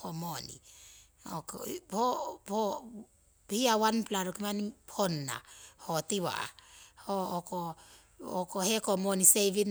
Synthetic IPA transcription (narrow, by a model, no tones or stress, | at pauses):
homonḭ | okpopo | hiawanplaɾokimanipʰonːa̰hotiwa̰a̰hoːko | okohekomoniseβin